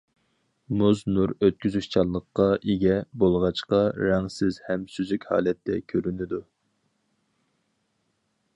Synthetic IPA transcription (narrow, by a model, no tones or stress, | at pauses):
muznuɾøt̪̚kʲyzyʃt͡ʃʰɑlˠːəqːɑʔeɡʲɛbolˠʁɑt͡ʃqɑɾɛŋsɪzhɛmsyzykʲhɑ̰ːlɛt̪ʰːɛ̰kʲʰøɾynɪd̪u